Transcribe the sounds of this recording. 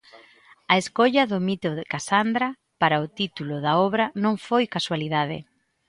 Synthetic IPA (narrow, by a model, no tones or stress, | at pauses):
ɐeskoʎɐðʊmit̪ʊðɪkasand̪ɾɐ | paɾaʊt̪it̪ulʊðɐɔβɾɐnõŋfojkaswaliðaðɪ̰